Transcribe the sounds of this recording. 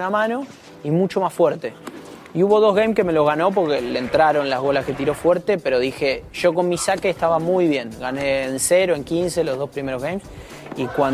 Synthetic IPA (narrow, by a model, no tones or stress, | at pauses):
amãno̞ | imut͡ʃo̞masfweɾt̪e̞ | iuβo̞ð̞o̞zɣejmske̞me̞lo̞zɣano̞p̬o̞ɾkelent̪ɾaɾo̞nlazɣo̞lasket̪iɾo̞fweɾt̪e̞pe̞ɾo̞ðixeʒ̥o̞ko̞nmisakeːst̪aβamujβje̞ŋɣaneːnseɾoe̞ŋkinse̞lo̞zðo̞spɾime̞ɾo̞zɣejms | ikwan